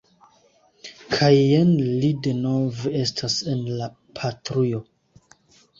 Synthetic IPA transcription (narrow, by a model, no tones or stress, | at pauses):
kʰajenlide̞no̞vee̞stʰase̞nla | pʰatɾujo